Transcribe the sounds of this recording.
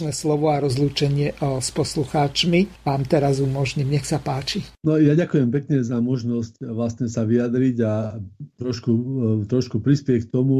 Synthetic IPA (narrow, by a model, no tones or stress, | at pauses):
nɛslɔʋɔaɾɔzluːt͡ʃɛɲɪɛspɔsluxaːt͡ʃmiʋaːmt̪ɛɾazumɔʒɲimɲɛxsapaːt͡ʃinɔjaɟakujɛmpɛkɲɛzamɔʒnɔscʋlast̪ɲɛsaʋiad̪ɾiɟat̪ɾɔʃkut̪ɾɔʃkupɾispɪɛck̚t̪ɔmu